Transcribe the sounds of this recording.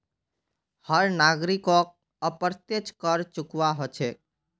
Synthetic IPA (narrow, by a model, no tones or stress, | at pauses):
həɾnaɡɾikɔk̚ | əpəɾt̪jet͡ʃkəɾt͡ʃʊkʋaɦot͡ʃʰɛ